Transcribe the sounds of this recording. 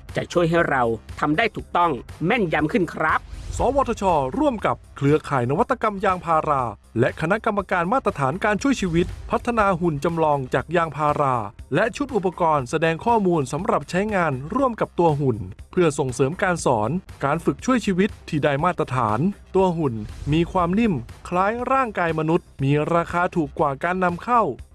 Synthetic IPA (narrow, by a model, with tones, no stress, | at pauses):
t͡ɕa̰˨˩ʔt͡ɕʰu˥˩əjɦa˥˩jɾa˧wt̪ʰa˧mdaː˥˩jt̪ʰuː˨˩k̚t̪ɔ˥˩ŋmɛ˥˩nja˧˥mkʰɯ˥˩nkʰɾa˦˥p̚sɔː˩˦wɔː˧t̪ʰa˧t͡ɕʰɔː˧ɾu˥˩əmka˨˩p̚kʰlɯ˧ɐkʰaː˩jna˦˥wa˦˥t̪ːa˧ka˧mjaː˧ŋpʰaː˧ɾaː˧ | lɛ˦˥ʔkʰa˧na˦˥ʔka˧mːa˧kaː˧nmaː˥˩t̪ːɾa˧t̪ʰaː˩˦nkaː˧nt͡ɕʰu˥˩əjt͡ɕʰiː˧wi˦˥t̪̚pʰa˦˥t̪ʰːa˧naː˧ɦu˨˩nt͡ɕa˧mlɔː˧ŋt͡ɕaː˨˩k̚jaː˧ŋpʰaː˧ɾaː˧lɛ˦˥ʔt͡ɕʰu˦˥t̪̚ʔu˨˩pːa˧kɔː˧nsa˧dɛː˧ŋkʰɔː˥˩muː˧nsa˩˦mɾa˨˩p̚t͡ɕʰa˦˥jŋaː˧nɾu˥˩əmka˨˩p̚t̪u˧ɐɦu˨˩npʰɯ˥˩ɐso˨˩ŋsɤː˩˦mkaː˧nsɔː˩˦nkaː˧nfɯ˨˩k̚t͡ɕʰu˥˩əjt͡ɕʰiː˧wi˦˥t̪ʰːiː˧˩daː˥˩jmaː˥˩t̪ːɾa˧t̪ʰa̰ː˩˦nt̪u˧ɐɦu˨˩nmiː˧kʰwaː˧mni˥˩mkʰlaː˦˥jɾaː˥˩ŋkaː˧jma˧nu˦˥t̪̚miː˧ɾaː˧xʰaː˧t̪ʰuː˨˩kːwaː˨˩kaː˧nːa˧mkʰa˥˩w